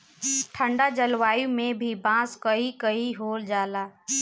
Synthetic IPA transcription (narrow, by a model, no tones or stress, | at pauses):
ʈʰə̃ɳɖad͡ʒəlʋaːjũmẽbʱibãːskəikəiɦoːld͡ʒaːlaː